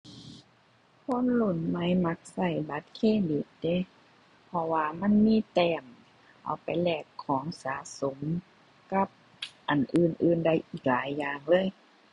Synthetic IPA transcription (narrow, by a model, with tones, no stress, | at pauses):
kʰo˧˥˨nlu˧˩˨nma˧˥˩jma˧˥k̚sa˧˩jba˧˦t̪̚kʰeː˧˨di˨˧˦t̪̚de˧˥˨ | pʰɔ˧waː˧ma˧˥˨nmiː˧˥˨t̪ɛː˧˩m | ʔa̰˧˩wpa˨˩jlɛː˧˩kʰːɔː˨˦ŋsaː˨˦so˨˦m | ka˧˥˩p̚ | ʔa˨˩nʔɯː˨˩nʔɯː˧˩nda˧˩˨jʔiː˧˩k̚laː˨˦jːaː˨ŋlɤː˧˥˨j